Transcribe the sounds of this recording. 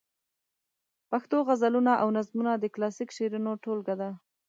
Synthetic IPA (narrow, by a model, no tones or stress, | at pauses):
paxt̪oɣazalunaʔawnazmunad̪əklɑsikʃeɾunoʈolɡad̪a